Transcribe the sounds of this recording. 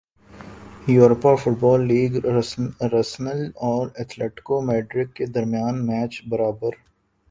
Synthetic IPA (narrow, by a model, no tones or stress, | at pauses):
juːɾpafʊʈbɔːlːiːɡ | ɾəsnəlɔːɾɛt̪ʰleːʈɪ̥komeːʈɾɪkːed̪ɐɾmijaːnmɛːt͡ʃbɐɾaːbəɾ